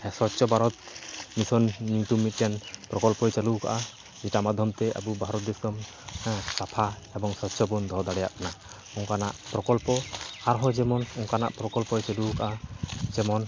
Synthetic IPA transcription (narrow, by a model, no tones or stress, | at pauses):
sɔtt͡ʃɔbaɾɔt̪̚misɔnːit̪umit̪̚kjanpɾɔkɔlpɔjt͡ʃaluka̰ʔa | d͡ʒɛtamad̪ʱjɔmt̪ɛʔa̰bubʱaɾɔt̪̚d̪ɛskɔm | sapʰa | ɛbɔŋsɔtt͡ʃɔbund̪ʱɔd̪aɽɛjaʔkana | uŋkana̰ʔpɾɔkɔlpɔaɾɦɔd͡ʒɛmɔnɔŋkana̰ʔpɾɔkɔlpɔjt͡ʃalukaʔad͡ʒɛmɔn